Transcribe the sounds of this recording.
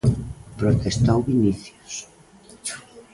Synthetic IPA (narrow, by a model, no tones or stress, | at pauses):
pɾot̪est̪awβiniθjos